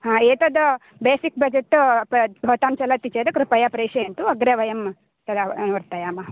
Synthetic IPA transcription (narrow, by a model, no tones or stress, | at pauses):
ɦãːeːt̪ɐd̪ɐ | beːsik̚bɐd͡ʒeʈː | ɦɔt̪aːmt͡ʃɐlɐt̪ːit͡ʃeːd̪ɐkɾupɐjapɾeːʃeent̪uɐɡɾeʋɐjɐm | sɐd̪anuʋɐɾt̪ɐjaːmɐ